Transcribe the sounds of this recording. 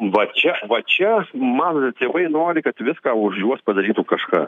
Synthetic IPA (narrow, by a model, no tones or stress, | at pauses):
ʋɐt͡ʃʲɛʋɐt͡ʃʲɛmɐnt̪ʲeːʋɐɪnoːɾʲɪkɐt̪ʋʲɪskɑːʊʒjuɔspɐd̪ɐɾʲiːt̪ukɐʃkɑ̰ː